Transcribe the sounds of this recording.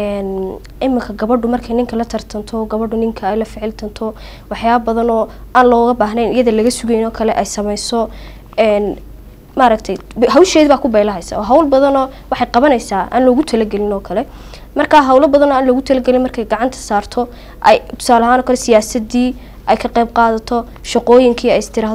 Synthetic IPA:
ɛːn | ʔɪmːɪkʰɐɡɐβɐɖʊmɐrkʰɐjnɪŋkʰɐlɐt̪ʰɐrt̪ʰɐnt̪ʰɔɡɐβɐɖʊnɪŋkʰɐɛjlɐfɪʕɪlt̪ʰɐnt̪ʰɔ | wɑħjaːβɐbɐðɐnɔːaːnlɔːɣɐbaːɦnɛnɪjɐðɐlɐɣɐsʊɣɛjnɔːkʰɐlɛʔɛjsɐmɛjsɔ | ɛːn | mɐːɾɐkt̪ʰɐjbɦɐwʃɛːðβaːkʰʊbɛjlɐɦɛjsɐ̰ɔːɦɐwlbɐðɐnɔːwɑħɑjqɑβɐnɛjsaːʔa̰ːnlɔːɣʊt̪ʰɐlɐɡɛlɪnɔːkʰɐlɛ | mɐrkʰaːɦɐwlɐbɐðɐnɔaːnlɔːɣʊt̪ʰɐlɐɡɛlɪnmɐrkʰɛjɡɑʕɑnt̪ʰɐ̥saːrt̪ʰɔ | ʔɛ̰jt̪ʰʊ̥saːlɐɦaːnɔːkʰɐlɛsɪjaːsɐd̪iː | ʔɛjkʰɐqejb̚qɑːðɐt̪ʰɔ | ʃɑqɔːjɪŋkʰiːɛjɪst̪ʰɪɾaːɦ

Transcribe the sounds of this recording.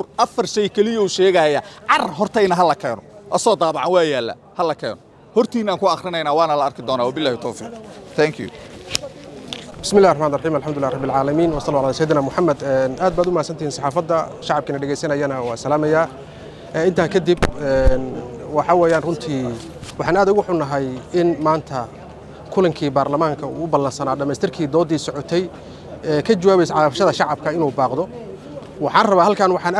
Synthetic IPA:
rʔɐfɐrʃɛjkʰɛlɪjɐuʃɛːɣɐjɐʕɑrɦɔrt̪ʰɛjnɐɦɐlɐkʰɛːnɔʔɐsɔːd̪aːbɑʕanwɑːjaːlːɐ̰ | hɐlɐkʰɛːnɔ | hɔrt̪ʰiːnaːŋkʰʊɑχrɪnɛjnaːwɑːnɐlɐɐrkʰɪd̪ɔːnaːwabɪlːaːhɪt̪ʰɔːfḭːqt̪ʰɛŋkʰjṵ | bɪsmɪlːaːhrɑħmaːnɪɾrˤɑħiːmɐlħamd̪ʊlːaːhɾˤɑbːɪlʕaːlɐmiːnwɑsɑlːuːʕlasɐjɪd̪naːmʊħamːɐd̪ɛːnʔaːd̪̚baːd̪ʊmahːd̪sɐnt̪ʰɪhiːnsɑħɑːfɐd̪ːɐʃɑʕɑb̚kʰɐnɐɖɛɣɛjsɐnɐjɐnɐwɑːsɐlaːmɐjaː | ɪnt̪ʰɐkʰɐd̪ibɛnwɑħɑwaːjaːnrʊnt̪ʰiː | wɑħɑːnaːd̪ʊɣʊħʊnɐɦɐjɪnmaːnt̪ʰɐ | kʰʊlɐŋkʰiːbaːrlɐmaːŋkʰɐṵːʊbɐlːɐnsɐnaːɖɐmɛst̪ʰɪrkʰiːd̪ɔːd̪iːsɔʕɔt̪ʰɛj | ɛːkʰɐt͡ʃɐwaːβɛjsʕɑfʃɐðɐʃɑʕɑb̚kʰɐɪnuːbaːqd̪ɔ | wɑħɑːnrɐβaːhɐlkʰaːnwɑħɑːnː

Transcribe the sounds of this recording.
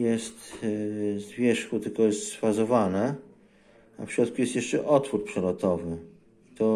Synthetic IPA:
jɛst̪ | zvʲjɛʂxut̪ɘlkɔjɛst̪sfazɔvanɛ | a̰fɕɾɔt̪̚kujɛst̪jɛʂt͡ʂɛʔɔt̪fuɾpʂɛlɔt̪ɔvɘ | it̪ɔ

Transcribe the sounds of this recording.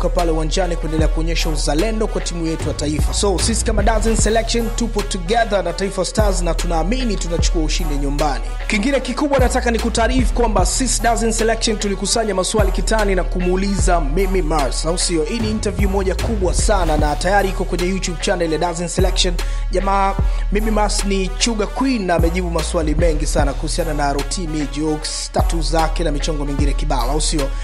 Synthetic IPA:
kapalɛuwand͡ʒanikuɛndɛlɛakuɔɲɛʃauzalɛndɔkwatimujɛtujataifasɔsisi̥kamaɗazɛnsɛlɛkʃɔntupɔtuɠɛðanataifawastaznatunaːminitunat͡ʃu̥kuauʃindɛɲumbani | kiŋɡinɛkikuɓwanatakanikutaːɾifu̥kwambasisiɗazɛnsɛlɛkʃɔntulikusaɲamasuwalikitaninakumuulizamimimasausiɔiːniːntavjumɔʄakuɓwasananatajaɾiikɔkwɛɲɛjutjuɓ̚t͡ʃanɛljaɗazinsɛlɛkʃɔn | ʄamaːmimimasnit͡ʃuɠakwinaːmɛʄiɓumaswalimɛŋɡisanakuhusiananaɾɔtʰinid͡ʒɔksstatuzakɛnamit͡ʃɔŋɡɔmiŋɡinɛkiɓalausiɔ

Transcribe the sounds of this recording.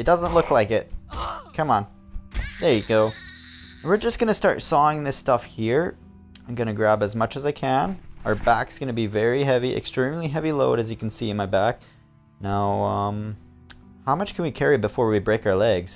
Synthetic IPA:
ɨt̚d̥ʌzə̃nʔˡlʊklaɪkɪt̚kʰʌ̃mə̃n̩ | leɪɨɡ̥oʊ | wɨɹd͡ʒʌsɡ̥ʌñɨstɑ̰ɹtsɔɪ̃ŋðɪstʌfhiɹ | ãɪ̃mɡʌñɨɡɹæbɨzmʌt͡ʃɨzaɪkʰɨ̃nʔaʊə˞bæksɡ̥ʌnɨbivɛɹiɦɛviʔɨ̰kstɹ̥ĩmliɦɛviloʊɾɨzjɨkʰn̩siɨ̃nmaɪbæk̚ | naʊʌ̃m | haʊmʌt͡ʃkʰn̩wikʰɛɹibɨfɔɹwibɹeɪkaʊə˞lɛɡz̥

